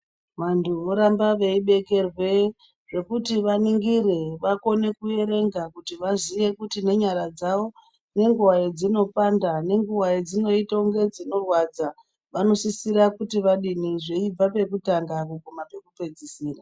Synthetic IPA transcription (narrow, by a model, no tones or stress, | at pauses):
ʋantʰuoɾambaʋe̞iɓe̞ke̞rwe̞ | ʐe̞kutiʋaniŋɡiɾeʋako̞ne̞kuje̞ɾe̞ŋɡakutiʋazije̞kutine̞ɲaɾad͡zao̞ | ne̞ŋɡuwajed͡zino̞pandane̞ŋɡuwajed͡zino̞itauŋɡe̞d͡zino̞rwad͡za | ʋano̞sisiɾakutiʋaɗiniʐe̞ib͡vape̞kutaŋɡakukumape̞kupe̞d͡zisiːra